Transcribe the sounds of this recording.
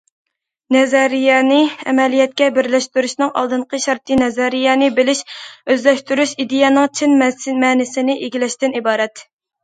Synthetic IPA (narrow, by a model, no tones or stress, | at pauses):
nɛzɛɾijɛnɪɛ̰mɛlijɛt̪̚kʲɛbɪɾlɛʃt̪yɾyʃnɨŋɑ̰lˠd̪ɨɴqʰəʃɑɾt̪ʰɨnɛzɛɾijɛnɨbɪlɪʃøzlɛʃt̪yɾyʃid̪ejɛnɨŋt͡ʃʰɪnmsmɛːnɪsɪnɪʔeɡʲilɛʃt̪ɪnibɑːɾɛt̪